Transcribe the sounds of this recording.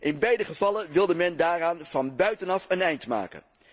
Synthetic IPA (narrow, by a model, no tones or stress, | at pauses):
ʔɪnbɛjdəχəvɑlənʋɪlˠdəmɛndaːraːnv̥ɑnbœɥtənɑfənɛjntma̰ːkə̰n